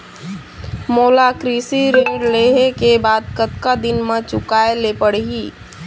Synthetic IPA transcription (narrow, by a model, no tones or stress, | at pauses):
moːlakɾisiɾeɾleɦekebaːd̪̚kət̪kad̪ɪnmãt͡ʃʊkaːelepəɽɦiː